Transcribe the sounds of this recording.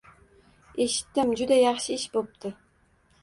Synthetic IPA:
e̞ʃɪ̥t̪ːɪmd͡ʒʊd̪ajɑχʃɪɪʃbop̚t̪ʰɪ

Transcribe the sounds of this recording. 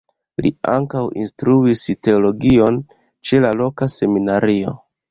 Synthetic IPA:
lḭa̰ŋkawḭnstɾuiste̞olo̞ɡio̞n | t͡ʃe̞lalo̞kase̞minaɾio̞̰

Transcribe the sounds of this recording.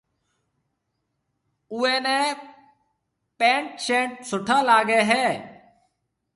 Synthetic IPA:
ʊẽːneː | pẽːɳʈʃẽːɳʈ̚sʊʈʰaːlaːɡeːɦɛː

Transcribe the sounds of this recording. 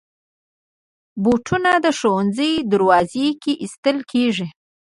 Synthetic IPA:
boʈʰunad̪əʃowanzəjd̪ʊɾwɑzekeʔist̪əlkʰeʐi

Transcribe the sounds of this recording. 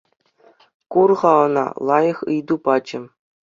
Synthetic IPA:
kurʁɑɤ̆nɑ̰lˠɑjɤ̆χɯjd̪upɑd͡ʑɘ̆

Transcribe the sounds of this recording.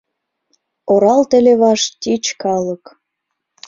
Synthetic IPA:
oɾɑlt̪ĕleβɑʃt̪ʲit͡ɕkɑlɤk

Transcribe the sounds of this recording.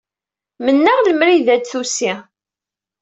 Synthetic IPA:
mənːəʁləmɾiðæd̪θusi

